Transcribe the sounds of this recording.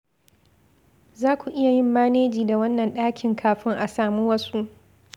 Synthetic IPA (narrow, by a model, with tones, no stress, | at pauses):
zaː˦kʷu˨ʔɪ˦ja˨jɪ˦mːaː˦neː˦d͡ʒiː˨da˨wɐ˦nːɐ˨nɗaː˦kʲɪ˨ŋkʰaː˨ɸɪ˦ŋʔa˨saː˨muː˦wɐ˦su˦ʔ